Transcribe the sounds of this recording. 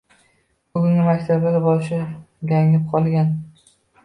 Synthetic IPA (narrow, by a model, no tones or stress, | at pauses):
bʊɡʲʊŋʲɪmakʲt̪ʰablaɾbɒʃɪɡʲaŋlɪp̚qʰɒlˠɡʲan